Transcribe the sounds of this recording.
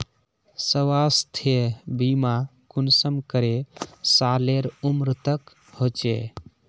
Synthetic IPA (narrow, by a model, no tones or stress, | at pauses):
səʋast̪ʰebimakunsəmkəɾesaleɾumɾɨt̪ək | hot͡ʃḛ